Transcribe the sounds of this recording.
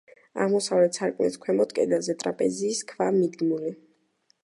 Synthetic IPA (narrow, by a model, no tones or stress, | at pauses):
a̰ʁmɔsavlɛt̪ʰsaɾkʼnɛ̰t̪skʰwɛmɔd̪kʼɛ̰d̪azɛt̪ʼɾapʼɛziːskʰvamid̪ɡmuli